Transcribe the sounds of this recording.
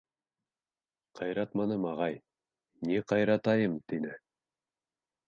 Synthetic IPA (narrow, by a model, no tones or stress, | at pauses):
qʰɑjɾɑt̪mɑnɤmɑʁɑj | niqɑjɾɑt̪ɑjɤmt̪inɘ